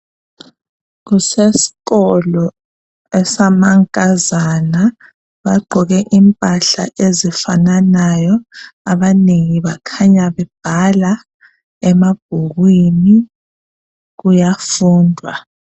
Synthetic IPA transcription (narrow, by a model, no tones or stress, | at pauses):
ɣ̬usesi̥ɣɔlɔ | ɛsamaŋkʼazana | βaɡ͡ǃʱɔɣɛʔimpʼaɬa̰ʔezifananajɔaβaneŋiβakʰaɲaβɛb̥ʱala | ɛmaɡ̥̚ʱuɣwini | ɣujafuːndʱwa̰